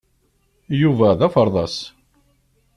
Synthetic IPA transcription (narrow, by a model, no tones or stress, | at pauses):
juvæðæfəɾˤðˤɑs